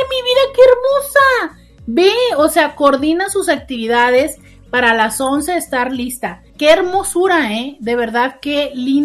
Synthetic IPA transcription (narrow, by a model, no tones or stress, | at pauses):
miβiðakeeɾmosa | beose̞akoɾðinasusak̚t̪iβiðaðe̞s | paɾalaso̞nse̞ːst̪aɾlist̪a | ke̞ːɾmo̞suɾaeðe̞β̞e̞ɾðaðke̞lin